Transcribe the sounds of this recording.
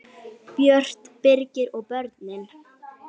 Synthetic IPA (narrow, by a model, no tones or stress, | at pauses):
pjœr̥t̪pɪɾcɪɾɔɣpœɾt̪mɪn